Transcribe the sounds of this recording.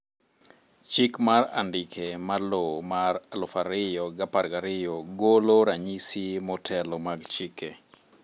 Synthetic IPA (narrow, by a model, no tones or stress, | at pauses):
t͡ʃɪkmara̰ndɪkʰemalomaralɔfaɾɪjɔɡaparɡaɾɪjɔɡoloɾaɲisimɔtʰɛlɔmaɡt͡ʃike